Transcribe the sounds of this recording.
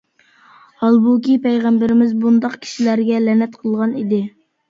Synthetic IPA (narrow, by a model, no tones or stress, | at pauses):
hɑlˠbukʲipɛjʁæmbɪɾɪmɪzbund̪ɑqkʲʰi̥ʃilæɾɡʲɛlɛnɛt̪qʰəlˠʁɑnid̪ɪ